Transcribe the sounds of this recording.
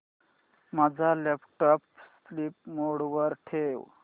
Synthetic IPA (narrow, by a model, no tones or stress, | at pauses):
mad͡zʱalɛpʈɔps | lip̚moɽʋəɾʈʰew